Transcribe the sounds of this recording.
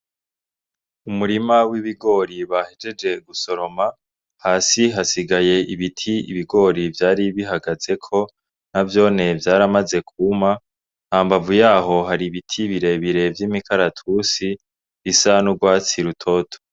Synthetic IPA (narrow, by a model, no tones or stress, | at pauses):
umuɾimawiβiɡo̞ɾiβahed͡ʒe̞d͡ʒe̞ɡuso̞ɾo̞ma | haːsiɦasiɡaje̞ʔiβitʰiḭβiɡo̞ːɾivjaːɾiβiɦaɡaz̥e̞kʰo̞ | navjo̞ːne̞vjaːɾamaze̞kʰuma | nhaːmbavujaːɦo̞ɦaɾiβitʰiβiɾe̞βiɾe̞vjiːmikʰaɾatʰusi | βisanuɡwaːt͡siɾutʰo̞tʰo